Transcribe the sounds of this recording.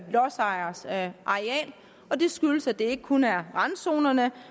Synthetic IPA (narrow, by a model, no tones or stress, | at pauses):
lɒsɑ̈ɪɐsʔɑ̈ʁeɛ̰ːl | ɒ̽d̥e̝sɡ̥yləsæd̥e̝e̝ɡ̥əkʰunæɐʁɑ̈nso̝̰ːnɐnə